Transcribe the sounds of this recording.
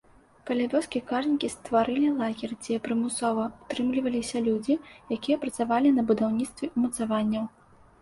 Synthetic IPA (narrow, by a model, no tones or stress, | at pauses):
kɐlʲavʲɔskʲikaʐnʲikʲist̪vaɾɨlʲilˠaɣʲɛrd͡zʲɛɛpɾɨmusɔvɐut̪ɾɨmlʲivɐlʲisʲɐlʲud͡zʲijakʲijɐpɾɐt̪savalʲinɐbud̪awnʲit̪st̪vʲɛʔumɐt̪savanʲːɐw